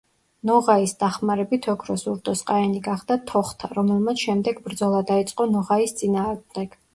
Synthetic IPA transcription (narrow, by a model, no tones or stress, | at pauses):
nɔʁaisd̪aχmaɾɛbit̪ʰɔkʰɾɔsuɾd̪ɔsqʼaɛniɡaχd̪at̪ʰɔχt̪ʰaɾɔmɛlˠmat̪sʰʃɛmd̪ɛɡbɾd̪zɔlˠad̪ait̪sʼqʼɔnɔʁaist̪sʼinaːʁmd̪ɛɡ̥